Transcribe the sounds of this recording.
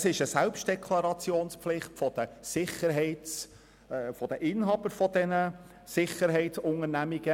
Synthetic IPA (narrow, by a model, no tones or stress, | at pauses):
sɪʃəsælpʃt̚d̥ɛkʰlɑɾɑt͡sjoːnsplɪχtfɔd̥̪əsɪχəɾɦɛɪts | fɔd̥əʔɪnɦɑb̥əɾfɔd̪ɛnə | sɪχəɾɦɛɪtsʊŋəɾnæmiɡə